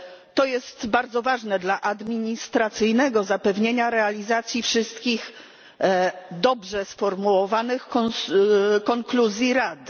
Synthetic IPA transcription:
t̪ɔjɛst̪baɾd̪zɔvaʐnɛd̪laʔad̪mʲiɲist̪ɾat̪sɘjnɛɡɔzapɛvɲeɲaɾɛalʲizat̪sʲjifʂɘst̪kʲix | d̪ɔbʐɛsfɔɾmuwɔvanɘxɔ | kɔŋkluzʲjiɾad̪ɘ

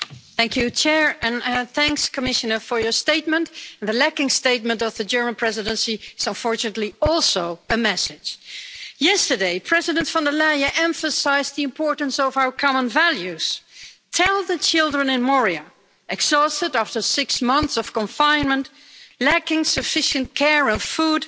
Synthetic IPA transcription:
θæ̃ŋkʰjʉt͡ʃʰɛɹɨ̃nθæ̃ŋkskʰəmɪʃɨnə˞fə˞jə˞steɪt̚mə̃ntnðɨlækɪ̃ŋsteɪt̚mə̃ntʌvðɨd͡ʒɜ˞mə̃npʰɹ̥ɛzɨɾə̃nsiɨzə̃nfɔɹt͡ʃɨnətˡliɔlˠsoʊɨmɛsɪd̥ʒ̥jɛstə˞deɪpʰɹ̥ɛzɨɾɨ̃ntfɑ̃ndəlajɨʔɛ̃ɱfəsaɪzðiɨ̃mpʰɔɹʔn̩sʌvaʊə˞kʰɑmə̃nvælˠjʉz̥tʰɛlˠðɨt͡ʃʰɪlˠdɹə̃nɨ̃nmɔɹiɨ | ʔɨɡz̥ɔstɨɾæftə˞sɪksmʌ̃nθsʌv̥kə̃ɱfãɪ̃nmə̃nt | lækɪ̃ŋsɨfɪʃɨ̃nkʰɛɹə̃nfud̥

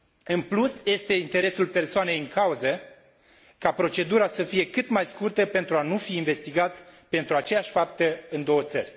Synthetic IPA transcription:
ɨnplusje̞st̪e̞int̪e̞ɾe̞sulpe̞rsoane̞jɨŋkauzə | kapɾo̞t͡ʃe̞d̪uɾasəfije̞kɨt̪majskurt̪əpe̞nt̪ɾuanufiːnve̞st̪iɡat̪pe̞nt̪ɾuat͡ʃe̞jaʃʲfap̚t̪əɨnd̪o̞wət̪sə̰rʲ

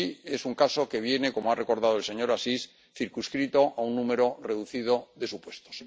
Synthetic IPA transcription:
ie̞suŋkaso̞ke̞β̞je̞ne̞ko̞moare̞ko̞ɾðað̞oelse̞ɲo̞ɾasis | θiɾkuskɾit̪o̞ʔaunːume̞ɾo̞re̞ðuθið̞o̞ðe̞supwe̞st̪o̞̥s

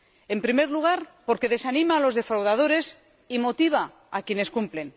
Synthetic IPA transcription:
e̞mpɾime̞ɾluɣ̞aɾpo̞ɾke̞ðe̞sanĩmaːlo̞zðe̞fɾawðaðo̞ɾe̞s | imo̞t̪iβ̞a | akje̞ne̞skumple̞n

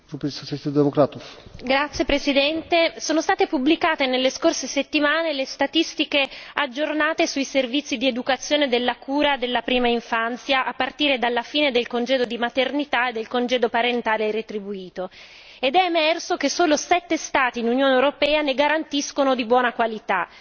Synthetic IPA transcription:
ɾupesosat͡ʃt̪id̪emokɾat̪ufɡɾat̪sːjepɾesid̪ɛnt̪esoːnost̪aːt̪epublikaːt̪enelːeskorseset̪ːimaːnelest̪at̪ist̪ikead͡ʒːornaːt̪esuiservit̪sːid̪ied̪ukat̪sːjoːned̪elːakuːɾad̪elːapɾiːmaiɱfant̪sjaʔapːart̪iːɾed̪alːafiːned̪elkond͡ʒɛːd̪od̪imat̪ernit̪aed̪ːelkond͡ʒɛːd̪opaɾent̪aːleret̪ɾibuiːt̪o | ed̪ɛːmɛrsokesoːlosɛt̪ːest̪aːt̪inunjoːneewɾopɛːaneɡaɾant̪iskonod̪ibwɔːnakwalit̪a

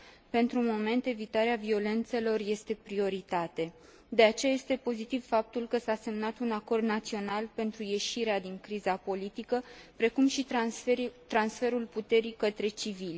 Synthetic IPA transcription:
pe̞nt̪ɾumo̞me̞nt̪e̞vit̪aɾeavio̞le̞nt̪se̞lo̞rje̞st̪e̞pɾio̞ɾit̪at̪e̞ | d̪e̞at͡ʃejaje̞st̪e̞po̞zit̪iv̥fap̚t̪ulkəsase̞mnat̪unako̞rd̪nat̪sio̞nalpe̞nt̪ɾuje̞ʃiɾead̪iŋkɾizapo̞lit̪ikəpɾe̞kumʃi | t̪ɾansfe̞ɾulput̪e̞ɾikət̪ɾe̞t͡ʃivilʲ

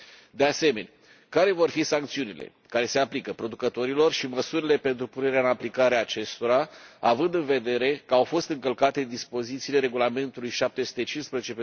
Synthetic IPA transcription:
d̪e̞ase̞me̞nʲ | kaɾe̞vo̞rfisaŋkt̪siunile̞̰ | kaɾe̞se̞aplikəpɾo̞d̪ukət̪o̞ɾilo̞rʃiməsuɾile̞pe̞nt̪ɾupune̞ɾeaɨnaplikaɾeaːt͡ʃe̞st̪o̞ɾaavɨnd̪ɨnve̞d̪e̞ɾe̞kəawfo̞st̪ɨŋkəlkat̪e̞d̪ispo̞zit̪siːle̞ɾe̞ɡulame̞nt̪ulujʃap̚t̪e̞su̥t̪e̞t͡ʃinspɾezet͡ʃep

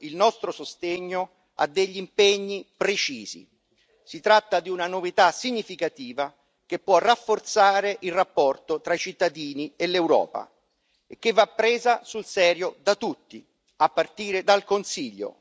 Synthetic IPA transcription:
ilnɔst̪ɾosost̪eɲːo | a̰d̪ːeʎːimpɛɲːipɾet͡ʃḭːz̥ḭ | sit̪ɾat̪ːad̪iunanovit̪asiɲːifikat̪iːva | k̟epːwɔrːafːort̪saːɾeʔilrːapːɔrt̪ot̪ɾait͡ʃit̪ːad̪iːnielewɾɔ̰ːpa̰ | ek̟ːevːapːɾeːzasulsɛːɾjod̪at̪ut̪ːi | apːart̪iːɾed̪alkonsiʎːo̰

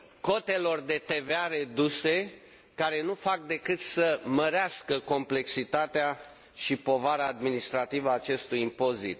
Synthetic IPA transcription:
ko̞t̪e̞lo̞rd̪e̞t̪e̞veaɾe̞d̪use̞ | kaɾe̞nufak̚d̪e̞kɨt̪səməɾeaskəko̞mple̞ksit̪at̪ea | ʃipo̞vaɾaːd̪minist̪ɾat̪ivəaːt͡ʃe̞st̪ujimpo̞zḭt̪

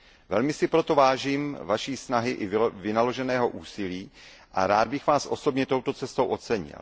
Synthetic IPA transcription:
vɛ̰lmɪsɪpɾo̞t̪o̞vaːʒiːmvaʃiːsnaɦɪʔɪvɪnalo̞ʒɛnɛːɦo̞ʔuːsɪliː | ʔa̰ɾaːd̪̚bɪxvaːsʔo̞so̞bɲɛt̪o̞wt̪o̞t͡sɛst̪owʔo̞t͡sɛɲɪ̰l

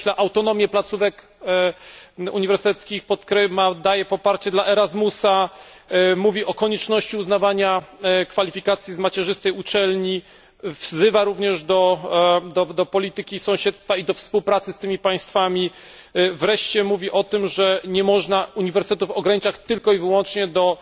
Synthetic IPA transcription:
laʔawt̪ɔn̪ɔmʲjɛplat̪suvɛk | ṵɲivɛɾsɨt̪ɛt̪skʲixpɔt̪kɾɛmad̪ajɛpɔpaɾt͡ɕɛd̪laʔɛɾazmusa | muvʲiʔɔkɔɲɛt͡ʂnɔɕt͡ɕiuznavaɲakfalʲifʲikat̪sʲjizmat͡ɕɛʐɘst̪ɛjut͡ʂɛlɲi | vzɘvaɾuvɲɛʐd̪ɔd̪ɔd̪ɔpɔlʲit̪ɘkʲisɔ̃w̃ɕɛt̪st̪faid̪ɔfspuwpɾat̪sɘst̪ɘmʲipãj̃st̪famʲi | vɾɛʂt͡ɕɛmuvʲiʔɔt̪ɘmʐɛɲɛmɔʐnauɲivɛɾst̪ɛt̪ufɔɡɾaɲit͡ʂat͡ɕt̪ɘlkɔivɘwɔnt͡ʂɲɛd̪ɔ

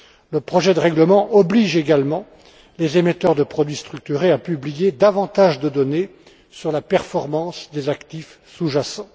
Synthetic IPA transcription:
ləpχɔʒɛd̪əʁɛɡləmɑ̃ʔɔbliʒeɡalmɑ̃ | lezemɛt̪œʁd̪əpχɔd̪ɥist̪χyk̚t̪yʁeapyblijed̪avɑ̃t̪aʒd̪əd̪ɔne | syʁlapɛʁfɔʁmɑ̃sd̪ezakt̪if | suʒasɑ̃

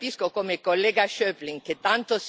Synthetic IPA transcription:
piskokoːmekolːɛːɡaʃøːpliŋket̪ːant̪os

